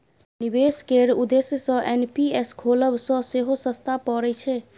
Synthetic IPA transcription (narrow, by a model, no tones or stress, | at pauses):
nibeskeɾud̪esjəsə̃ʔenpieskʰoləbsə̃seɦosə̃st̪ʰapɔɾɛt͡ʃʰɛ